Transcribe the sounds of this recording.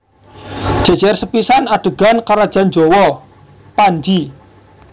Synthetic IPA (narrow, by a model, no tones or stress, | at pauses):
d̥ʒ̥a̤̥d͡ʒ̥ɛrsəpisanaɖ̥əɡ̥ankaɾad̥ʒ̥a̤nd͡ʒowɔ | pand͡ʒi